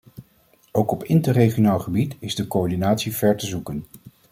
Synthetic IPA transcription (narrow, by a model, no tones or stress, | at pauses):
owkɔpɪntəreχionaːlˠχəbitɪzdəkoɔɹdinaːtsiv̥ɛɹtəzukən